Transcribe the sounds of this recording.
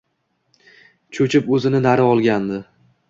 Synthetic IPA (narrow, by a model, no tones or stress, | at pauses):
t͡ʃʰɵt͡ʃʰɪpɵzɪnɪnaɾɪɒlˠɡʲand̪ɪ